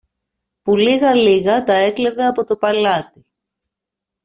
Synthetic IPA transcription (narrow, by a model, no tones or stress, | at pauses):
puliɣɐliɣɐt̪ɐe̞kleðeɐpo̞t̪o̞pɐlɐt̪i